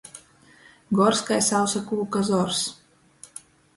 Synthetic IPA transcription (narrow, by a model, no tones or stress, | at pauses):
ɡɔɾskajsawsakuːkazɔɾs